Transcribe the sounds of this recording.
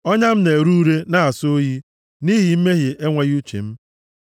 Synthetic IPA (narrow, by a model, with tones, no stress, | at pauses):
ɔ˦ɲa˦m̩˦ne˨ɾu˦ɾe˦na˨a˨so˦ji˦ | ni˦ɦi˨m̩˦me˦ɦi˨ʔe˦ŋʷe˨ɣu˦t͡ʃḭ˨m̩˦